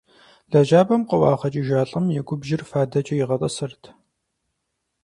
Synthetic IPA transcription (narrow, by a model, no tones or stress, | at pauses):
ɮ̥ɐʒaːbɐmqəwɑːχɐt͡ʃʼiʒaːɬʼɐmjɛɡʷʊbʒɪrfaːdɐt͡ʃʼɐjɪʁɐtʼɐsɨrtʰ